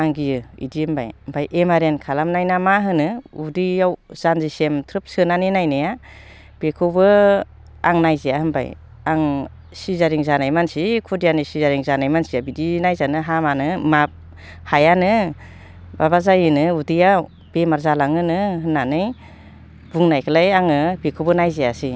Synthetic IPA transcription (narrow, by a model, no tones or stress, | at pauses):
aŋɡijɯḭdiɯmba̰jmbʰajʔemaɾenkʰalamnajnamaɦɯnɯudiawz̥anzisemtʰɾɯp̚sɯnaninajnɯja | b̥ekʰɯwbɯ | aŋnajzijaɦɯmba̰j | aŋ | sizaɾiŋzanajmansikʰudijanisizaɾiŋzanajmansijabidinajzanɯɦamanɯmap̚ | hajanɯ | baβazajɯnɯudija | bemaɾzalaŋɯnɯɦɯnːanɯj | buŋnajkʰɯlajaŋɯbekʰɯwbɯnajzejasi